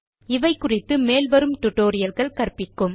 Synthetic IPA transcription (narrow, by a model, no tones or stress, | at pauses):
ɪʋɐɪkʊrɪt̪ːɯmeːlʋɐɾɯmʈʊʈːoːɾɪjɐlɣɐɭkɐrpɪkːɯm